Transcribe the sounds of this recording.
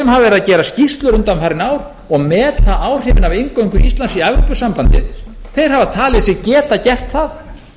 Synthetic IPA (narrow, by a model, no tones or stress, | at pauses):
sɛmhavavɛɾðacɛːɾascist̪lʏɾʏnt̪anmhaɾɪnaːwɾ | ɔɣmɛːt̪aʔaːwr̥ɪːvɪnavejŋkowŋkʏʔist̪lansiavɾopʏsampant̪ɪ̰ð | θejɾ̥havat̪ʰaːlɛðsɛɣcɛːt̪acɛr̥t̪θað